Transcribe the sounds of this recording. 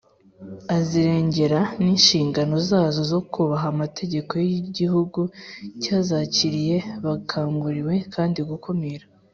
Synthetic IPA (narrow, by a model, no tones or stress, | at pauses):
aziɾe̞ːɲɟe̞ɾaniːnʃiːŋɡano̞zaːzo̞zo̞kuβaɦamatʰe̞ɟe̞ko̞jiɟihuɡucaːzaːciɾije̞βakʰaːŋɡuɾiwe̞kʰaːndiɡukʰomiɾa